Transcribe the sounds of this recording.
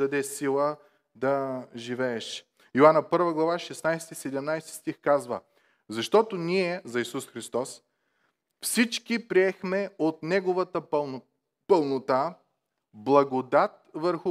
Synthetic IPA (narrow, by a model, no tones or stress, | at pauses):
ɐd̪ɛsilˠə | d̪ɐʒivɛːʃ | joanɐpɤɾvəɡlˠɐvaʃɛsnajsɛt̪isɛd̪ɛmnajst̪i̥st̪ixkazvə̰ | zɐʃt̪ɔt̪oniɛzɐisusxɾist̪ɔs | fsit͡ʃkipɾiɛxmɛot̪nɛɡovət̪ə | pəlˠnot̪a | blˠɐɡod̪at̪̚vəɾxʊ